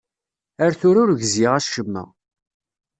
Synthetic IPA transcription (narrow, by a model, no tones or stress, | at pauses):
æɾθʊɾʊɾʝziʁæʃəmːæ̰